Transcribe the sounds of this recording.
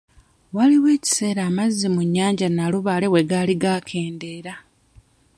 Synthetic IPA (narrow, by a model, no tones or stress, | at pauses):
waliwe̞ːci̥se̞ːɾaːmazːimuɲːaːɲɟanaluβaːle̞we̞ɡaːliɡaːkʰe̞ːnde̞ːɾa